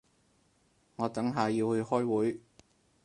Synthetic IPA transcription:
ŋɔː˨˧t̪ɐ˨˥ŋɦaː˨jiː˧whɵ˨˧hɔː˥jwuː˨˥j

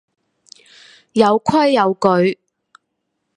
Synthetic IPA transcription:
jɐ˨˧wkʷʰɐ˥jːɐ˨˧wkɵ˨˧ɥ

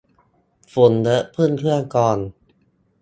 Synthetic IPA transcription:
fo˨˦ndɤ˦˥ʔpʰɯ˥˩ənkʰɯ˥˩əŋkɔː˧n

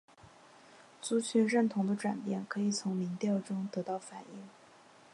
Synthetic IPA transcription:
t͡su˧˥t͡ɕʰy˧˥ɻə˥˩nt̪ʰʊ˧˥ŋd̪ə˧ʈ͡ʂwa˨˩npjɛ˥˩nkʰɤ˧˥i˨˩t͡sʰʊ˧˥ŋmi˧˥ŋt̪jɑ˥˩ʊʈ͡ʂʊ˥ŋt̪ɤ˧˥t̪ɑ˥˩ʊfa˨˩ni˥˩ŋ

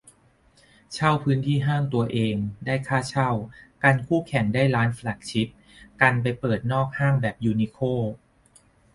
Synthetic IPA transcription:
t͡ɕʰa˥˩wpʰɯː˦˥nt̪ʰiː˥˩ɦaː˥˩ŋt̪u˧ɐʔeː˧ŋdaː˥˩jkʰaː˥˩t͡ɕʰa˥˩wka˧nkʰuː˥˩kʰɛ˨˩˦ŋdaː˥˩jɾaː˦˥nflɛ˨˩k̚t͡ɕʰi˦˥p̚ | ka˧npa˧jpɤː˨˩t̪̚nɔː˥˩k̚haː˥˩ŋbɛː˨˩p̚juː˧ni˧˥kʰoː˥˩

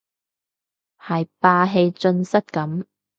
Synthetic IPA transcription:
hɐ˨jpaː˧ɦe˧jt͡sɵ˧nsɐ˥t̚kɐ˨˥m

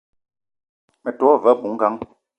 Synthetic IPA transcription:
mɛ˨tɔ˨˦˨və˦˨bu˨˦ŋ̩˦ɡa˦ŋ

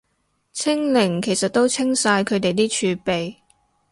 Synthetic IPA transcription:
t͡sʰɪ˥ŋlɪ˨˩ŋkʰe˨˩jsɐ˨t̚t̪ːo˥wt͡sʰɪ˥ŋsaː˧jkʰɵ˨˧ɥt̪e˨jt̪̬iː˥t͡ʃʰyː˨˧pe˨j

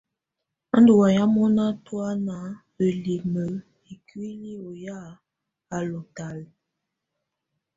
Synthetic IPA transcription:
a˦ndu˨wa˨ja˦mɔ˦na˦twa˦na˨˦ | ə˨li˨mə˨ | i˨ki˦li˦o˨ja˦˨ | a˨lo˨ta˨l

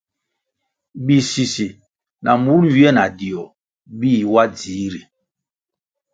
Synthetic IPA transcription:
bi˨si˨si˨ | nʔa˨mu˨˦nɥi˨˦ɛ˦na˨di˨ɔ˨ | bi˦˨wa˦d͡ziː˨˦ɾi˨

